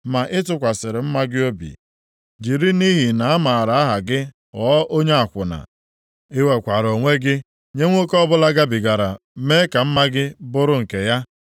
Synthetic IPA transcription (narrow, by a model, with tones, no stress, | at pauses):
ma˨ʔɪ˦tʊ˨kʷa˨sɪ˨ɾɪ˨m̩˦ma˦ɡɪ˦o˦bḭ˨ | d͡ʒi˨ɾi˦ni˦ɦi˨na˨a˦ma˨ɾa˨˦a˦ɦa˨ɡɪ˦ | ɔː˨˦o˦ɲe˦a˨kʷʊ˨na̰˨ | ɪ˦we˨kʷa˨ɾo˨ŋʷe˦ɡɪ˦ | ɲe˦ŋʷo˦kɔ˦bʊ˦la˦ɡa˦bi˨ɡa˨ɾa˨ | me˦ka˨m̩˦ma˦ɡɪ˦bʊ˦ɾʊ˦ŋ̩˨ke˨ja˦